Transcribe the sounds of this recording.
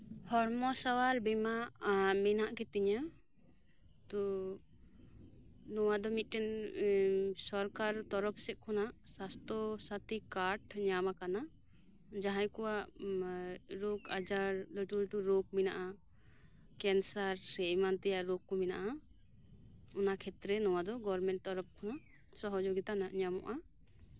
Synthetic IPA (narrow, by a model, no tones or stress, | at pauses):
hɔɾmɔsawaɾbɛmaʔmɛnaʔkɛt̪iɲa | t̪ɔ | nɔwad̪ɔmit̪̚ˀʈɛn | sɔɾkaɾt̪ɔɾɔpʰsɛʔ̪̚kʰɔnasast̪ɔsat̪ikaɾʈɲamakana | d͡ʒaɦãjkɔwaʔ | ɾokad͡ʒaɾlɔʈulɔʈuɾoɡ̚mɛnaʔa | kɛnsaɾsɛmant̪ɛjaʔɾokːɔmɛnaʔa | ɔnakʰɛt̪ɾɛnɔwad̪ɔɡɔɾmɛɳʈ̚t̪ɔɾɔp̚kʰɔna | sɔɦɔd͡ʒoɡit̪anaʔɲamɔ̰ʔa